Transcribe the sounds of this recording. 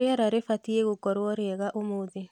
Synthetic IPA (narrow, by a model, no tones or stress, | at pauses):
eaɾaɾefatieɣokɔɾwɔɾeɛɣaʔomoːðe